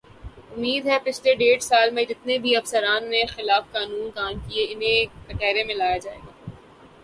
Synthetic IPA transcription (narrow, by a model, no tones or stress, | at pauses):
ʊmːiːd̪ɦɛpɪt͡ʃʰleɖeːɽsaːlmẽd͡ʒɪt̪nebʱiɐfsəɾaːnːexɪlaːfkaːnuːnd̪aːnkieɪnɦẽkɐʈɛːɾẽmẽlaːjad͡ʒaːeːɡaː